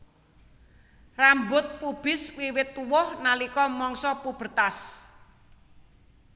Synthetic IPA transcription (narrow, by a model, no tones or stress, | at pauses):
rambʊt̪̚pub̥ɪ̤swiwɪt̪ːuwɔhnalikɔmɔŋsɔpub̥ə̤t̪as